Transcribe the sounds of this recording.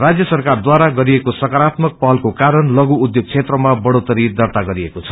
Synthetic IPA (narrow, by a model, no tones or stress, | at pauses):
rad͡zjʌsʌrkard̪waɾaɡʌɾiekosʌkaɾat̪mʌk̚pʌɦʌlkokaɾʌnlʌɡuːd̪joɡ̚t͡sʰet̪rʌmabʌɽot̪ʌɾid̪ʌrt̪aɡʌɾiekot͡sʰʌ̥